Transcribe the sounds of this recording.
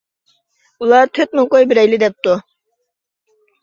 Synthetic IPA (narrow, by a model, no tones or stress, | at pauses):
ulˠɑt̪ʰøt̪̚muqojbɪɾɛjlɪd̪ɛp̚t̪u